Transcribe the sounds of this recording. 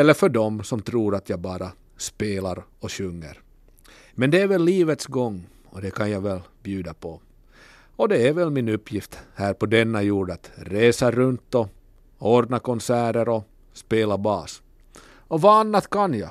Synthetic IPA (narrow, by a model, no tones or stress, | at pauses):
ɛlːəɾfœɖɔmsɔmt̪ʰɾuːɾat̪jɑɡbɑːɾa | speːlaɾɔɕɵŋːə̰ɾ | mɛnd̪ɛːɾvɛlːiːvət̪sɡɔŋː | ɔd̪ɛkʰanjavɛlbjʉːd̪apʰɔ | ɔd̪ɛæɾvɛlmɪnɵpːjɪft̪hæːɾpɔd̪ɛnːajuːɖat̪ɾeːsaɾɵnt̪ːɔ | oːɖnakɔnsæːɾəɾɔ | speːlabɑːs | ɔvaanːat̪kʰanjɑ